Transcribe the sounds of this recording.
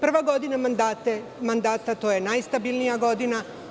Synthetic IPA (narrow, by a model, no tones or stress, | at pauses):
pr̩ʋaɡo̞d̪inamand̪at̪e | mand̪aːt̪at̪o̞jenajst̪abilˠnijaɡo̞d̪ina